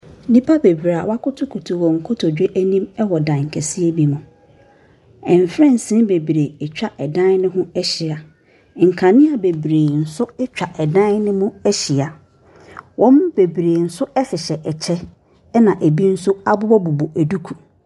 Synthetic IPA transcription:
nĩ˦pʰa˦be˨bɾa˨wa˦kʊ˦tʰʊ˦kʰu˨tʰu˨wɔ̃˨ŋ̩˨kʰʊ˦tʰɔ˨d͡ʑᶣe˦ʔæ˦nĩ˦mɛ˦wɔ˨dã˨ŋ̩˨kʰɛ˨si˦e˦bi˦mʊ̃˨ | ɛ̃˨m˨fɾɛ̃˦˨n˨sɪ̃˦be˨bɾe˨ɛ˨t͡ɕᶣa˦ʔɛ˨dã˦n˦nɪ̃˦ɦʊ̃˦ɛ˦ɕi˨a˨ | ŋ̩˨kʰã˨nɪ̃˦a˨be˨bɾeː˨n̩˨sʊ˦ɛ˦t͡ɕᶣa˨ʔɛ˨dã˦nɪ̃˦mʊ̃˦ɛ˦ɕi˨a˨ | wɔ̃˦mbe˨bɾeː˨n̩˨sʊ˦ɛ˦sɪ˨ɕɛ˨ʔɛ˨t͡ɕʰɛ˦ | nã˨ʔæ˨bi˦n̩˦sʊ˦a˦bʊ˦bɔ˦bu˨bʊ˨ʔæ˨du˦kʰu˨

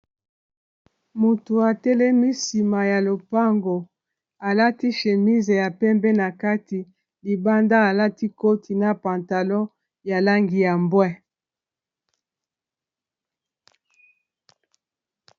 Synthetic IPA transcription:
mu˨tu˨a˨tɛ˦le˦mi˦si˨ma˨ja˨lo˨pa˦ŋɡo˨ | a˨la˦ti˦ʃe˨mi˦ze˨ja˨pɛ˦mbɛ˦na˨ka˦ti˨ | li˨ba˦nda˦a˨la˦ti˦ko˦tʰi˨na˦pa˨nta˨lɔ˦ | ja˨la˦ŋɡi˨ja˨mbwɛ˦

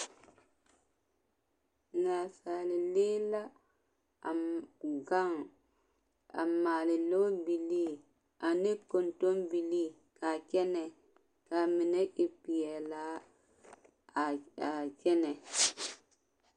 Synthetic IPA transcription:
na˨sa˨li˨le˦la˦ | a˨ɡa˦ŋ | a̰˨mːaː˨li˨lo˦bi˨li˦ | a˨ne˦ko˨nto˦nbi˨li˦ | ka˨kɛ˦nɛ˨ | ka˨mi˨nɛ˦ʔi˨pi˨jɛ˨la˨˦˨ | a˨kɛ˦nɛ˨

